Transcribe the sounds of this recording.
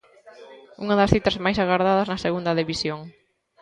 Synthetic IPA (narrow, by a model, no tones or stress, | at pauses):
uŋɐðɐsθit̪ɐzmajsaɣaɾðaðɐznɐseɣund̪ɐðiβisjoŋ